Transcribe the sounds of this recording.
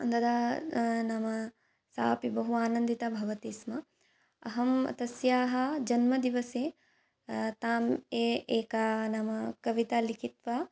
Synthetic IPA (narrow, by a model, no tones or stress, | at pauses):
ɐnd̪ɐd̪aːnɐmɐ | sa̰ːpibɐɦuaːnɐnd̪it̪abʱɐʋɐt̪iːsmɐ | ɐ̰ɦɐmɐ̰t̪ɐsjaːɦɐd͡ʒɐnmɐd̪iʋɐseː | t̪aːmeːʔeːkaːnɐmɐkɐʋit̪aːlikʰit̪ʋaː